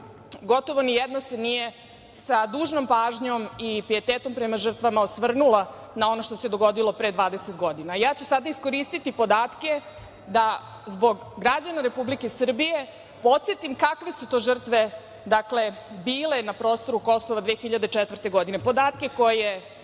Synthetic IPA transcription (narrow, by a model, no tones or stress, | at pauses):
ɡo̞t̪o̞ʋo̞nijed̪nosenije̞ | sad̪uːʒno̞mpaːʒɲo̞mipɾijet̪eːt̪o̞mpɾe̞maʐr̩t̪ʋamaosʋr̩nula | nao̞no̞ʃt̪ose̞d̪o̞ɡo̞d̪ilo̞pɾed̪ʋaːd̪eset̪ɡo̞d̪inajaːt͡ɕusad̪aisko̞ɾiːst̪it̪ipo̞d̪aːt̪ke̞ | d̪a | zbo̞ɡ | ɡɾad͡ʑanaɾe̞publike̞sr̩bije̞ | po̞t̪sjet̪imkakʋe̞sut̪oːʒr̩t̪ʋe̞ | d̪akle̞biːle̞napɾo̞ːst̪o̞ɾuko̞soʋad̪ʋeːxiʎad̪et͡ʃet̪ʋər̩t̪e̞ɡo̞d̪ine̞po̞d̪aːt̪ke̞ko̞jje